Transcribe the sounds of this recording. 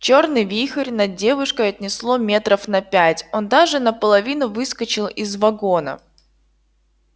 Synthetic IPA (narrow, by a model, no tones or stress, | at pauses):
t͡ɕo̞rnɨjvʲixəɾʲnɐdʲe̞vʊʂkəjɐt̚ʲnʲɪslˠo̞mʲe̞t̪ɾəfnɐpʲætʲo̞nd̪aʐɨnəpəlˠɐvʲinʊvɨskət͡ɕɪlˠɪzvɐɡo̞nə̰